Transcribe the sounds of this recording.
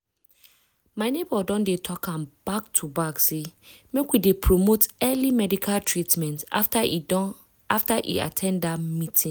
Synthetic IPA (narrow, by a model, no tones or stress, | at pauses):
maɪnebɔdɔ̃ndetʰɔkʰãmb̥aktʰubaksemekwidepʰɹomotɛlimɛdikʰaltʰɹitmɛ̃nt | aftaʔḭa̰tʰɛ̃nddamĩtʰĩ